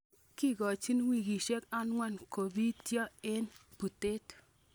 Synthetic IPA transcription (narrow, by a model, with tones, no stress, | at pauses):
ki˦ɡɔ˨t͡ʃi˦nwi˨ɡi˨ʃe˦ka˦nŋwa˦nko˨bi˦tjɔ˦e˦npu˨te˦t